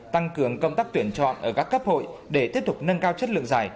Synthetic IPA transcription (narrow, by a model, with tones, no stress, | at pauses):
t̪a˧ŋkɨ˨˩˦əŋkə˧wŋ͡mt̪aː˦˥k̚t̪wənt͡ɕɔ̰˧˨nʔəː˧˩kaː˦˥kːə˦˥p̚ho̰˧˨jɗe˧˩t̪i˦˥əp̚t̪ʊ˨˩k͡p̚nə˧nkaː˧wt͡ɕə˦˥t̚lɨ̰˧əŋzaː˨˩j